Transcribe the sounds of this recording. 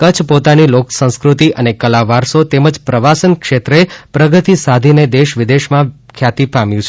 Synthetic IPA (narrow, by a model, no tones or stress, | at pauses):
kət͡ʃʰpot̪aniloksə̃ñskɾut̪iʔənekəlaʋaɾsot̪eməd͡ʒpɾəʋasənkʃet̪ɾepɾəɡət̪isad̪ʱined̪eʃʋɪd̪eʃmãkʰjat̪ipamjũt͡ʃʰ